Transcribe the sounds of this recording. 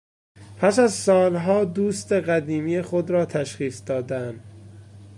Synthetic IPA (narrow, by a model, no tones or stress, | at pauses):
pʰæsæzsɒːlɦɒːd̪uːst̪e̞ɢæd̪iːmijexod̪ɾɒːt̪ʰæʃχiːsd̪ɒːd̪ænd̪̥